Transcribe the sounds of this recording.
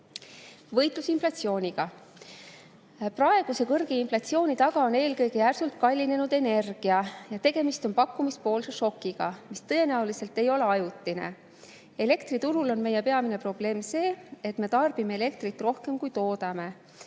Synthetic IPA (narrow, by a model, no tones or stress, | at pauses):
vɤjt̪ˑlusinflɑt̪sio̞ːnʲiɡ̥ɑ | prɑe̞ɡ̥use̞kɤrɡ̥einflɑt̪sio̞ːnʲit̪ɑɡ̥ɑo̞ne̞ːlkɤjɡ̥ijærsult̪̚kɑlʲːine̞nud̪e̞ne̞rɡ̥iɑjɑt̪e̞ɡ̥e̞mist̪o̞npɑkːumispo̞ːlseʃo̞kːiɡ̥ɑmist̪ɤe̞næulise̞lt̪ːe̞jo̞le̞ɑjut̪line̞̰ | e̞le̞kt̪rit̪uɾulo̞nme̞je̞pe̞ɑmine̞pro̞b̥le̞ːmse̞ːet̪me̞t̪ɑrb̥ime̞ele̞k̚t̪ɾit̪ːˑro̞hke̞mkujt̪o̞ːd̪̥ɑme̞